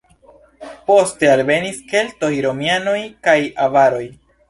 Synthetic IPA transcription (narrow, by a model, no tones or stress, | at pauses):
po̞ste̞albe̞niske̞lto̞jɾo̞miano̞jkajavaɾo̞j